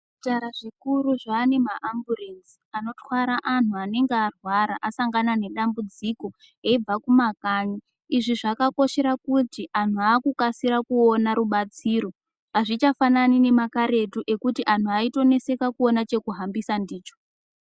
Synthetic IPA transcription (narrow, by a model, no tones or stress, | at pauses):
taɾaʐikuɾuʐaːne̞maʔamburenz | ano̞twaɾaʔan̤uane̞ŋɡearwaɾaʔasaŋɡanane̞ɗambud͡ziko̞ | eib͡vakumakaːɲi | iʐiʐakako̞ʃe̞ɾakutiʔan̤uaːkukasiɾakuonaɾuɓat͡siːɾo̞ | aʐit͡ʃafananine̞makaɾe̞tuʔe̞kutiʔan̤uaito̞ne̞se̞kakuo̞nat͡ʃe̞kuɦambisandiːt͡ʃo̥